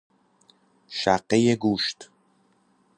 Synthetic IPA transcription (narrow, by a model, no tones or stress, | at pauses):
ʃæɢːejeɡuːʃt̪